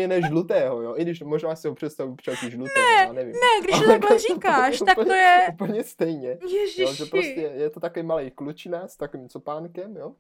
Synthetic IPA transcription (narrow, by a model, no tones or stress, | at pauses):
ɛnɛʒlut̪ɛːɦojoʔɪɡdɪʃmoʒnaːsɪɦopr̝̥ɛt̪st̪avupt͡ʃɛcɪʒlut̪ɛːɛanɛvimnɛɡɡdɪt̪oɛalɛɛrikaːʃut̪akpl̩ɲojɛupl̩ɲɛst̪ɛjɲɛjɛoʒɛpɾoscɛjɛt̪ot̪akovimalɛjklut͡ʃɪnast̪akovimt͡sopaːnkɛmjo